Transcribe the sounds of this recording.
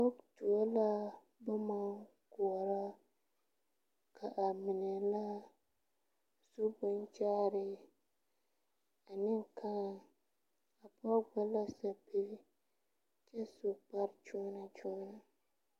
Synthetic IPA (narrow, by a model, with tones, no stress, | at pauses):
bɔ˦ktu˨o˦la˦ | ba˦ma˦ŋ | kʊ˨ɔ˨ɾa˦ | kʰa˨ʔa˨mɪ˨nɛ˨la˦ | su˦bʊ˦nt͡ʃaː˦ɾɪ˦ | a˨nɪ˦ŋ˨kʰa˦˨ | a˨pɔ˦ɡ͡ba˦la˦sa˨pi˦ɾ | t͡ʃɛ˦sʊ˨pa˦ɾt͡ʃɔ˦na˨t͡ʃɔ˦na˨